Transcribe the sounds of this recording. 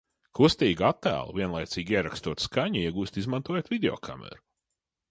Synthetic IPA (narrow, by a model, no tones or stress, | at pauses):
kust̪iːɡat̪ːæ̰ːlˠṵviɛnlˠajt̪siːɡiɛɾakst̪uɔt̪skaɲiiɛɡuːst̪izmant̪uɔjot̪vʲid̪ʲeɔ̰ːkʰa̰mɛ̰ɾu